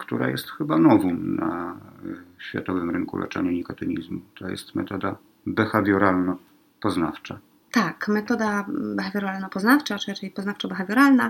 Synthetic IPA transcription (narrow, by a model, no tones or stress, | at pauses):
kt̪uɾa̰jɛst̪xɘbanɔvɔmna | ɕfʲja̰t̪ɔvɘmɾɘŋkṵlʔɛ̰t͡ʂɛ̰ɲɛɲikat̪ɛɲizmut̪ʰɔjɛ̰st̪mɛ̰t̪ɔd̪a | bɛxavʲjɔɾalnɔ | pɔznaft͡ʂa | t̪akmɛt̪ɔd̪abɛxavʲɔɾalnɔpɔznaft͡ʂat͡ʂɨɾat͡ʂɛjpɔznaft͡ʂabɛxavʲjɔɾalna